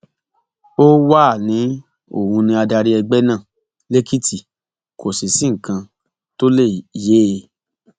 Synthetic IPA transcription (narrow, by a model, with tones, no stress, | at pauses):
o˦wa˦˨nĩ˨˦ | o̰˨hũ˧nĩ˧a˧da˧ɾi˦ɛ˧ɡ͡bɛ˦nã˦˨ | le˦ki˦ti˦˨ | kʰo˨si˨sĩ˦ŋ̩˨kã˧ | to˦le˦˨je˦e˧